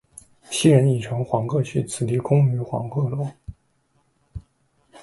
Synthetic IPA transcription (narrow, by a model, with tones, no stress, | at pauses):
ɕi˥ɻə˧˥ni˨˩ʈ͡ʂʰɤ˧˥ŋxwɑ˧˥ŋkʰɤ˥˧ɕʰy˥˩t͡sʰɹ̩˨˩t̪i˧˥kʊ˥ŋy˧˥xwɑ̰˧˥ŋkʰɤ˥˩lwɔ˥˩˦